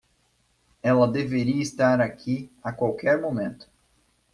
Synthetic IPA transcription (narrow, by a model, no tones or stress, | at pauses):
ɛlɐd̪eveɾiɐist̪aɾakʰiakwawkɛɾmomẽnt̪ʊ̥